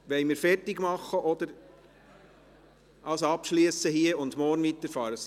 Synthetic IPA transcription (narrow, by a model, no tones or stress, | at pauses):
ʋɛɪmɪːɾfɛrtɪɡmɑχːəʔɔd̥̪əɾ | ɑlsɑpʃliəsəhiəʊndmɔːrnʋit̪əɾfɑːɾəs